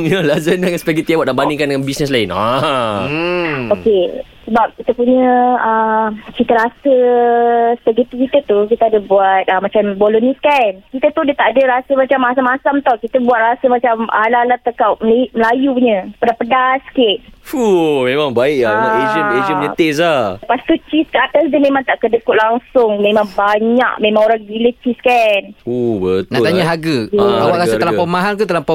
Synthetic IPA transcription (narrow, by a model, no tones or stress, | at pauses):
əlazəndaŋaspɛɡit̪ibwanabanĩŋkandəŋanbisnəslaina | oke | səbap̚kit̪əpuɲəəkit̪əɾasə | səɡit̪ukit̪ət̪uk̬it̪əadəbuat̪̚ʔəmat͡ʃambolunĩskankit̪ət̪udat̪aʔadəɾasəmat͡ʃamːas̬amasamt̪ɔkit̪əbuat̪̚rasəmat͡ʃamalalat̪əkawməliməlajuuɲəpədapədaskɪt̪̚fumemaŋbaɪʔaaled͡ʒəəled͡ʒəpɲət̪es̬apast̪ut͡ʃiskaat̪asdəmẽmãŋt̪aʔkədəkʊʔlaŋsʊŋmẽmaŋbaɲa̰ʔmẽmãŋoɾaŋbilət͡ʃiskanubət̪na̰ʔt̪aɲaɦaɡəawaʔɾasət̪alapəmaɦant̪̬ut̪əlampa